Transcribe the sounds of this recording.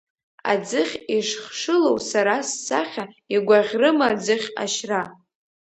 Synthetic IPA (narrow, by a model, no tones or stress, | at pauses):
a̰d͡zɨχʲiʂχʂɨlowsaɾasːa̰χʲaiɡʷaʁʲrɨmad͡zɨχʲa̰ʃra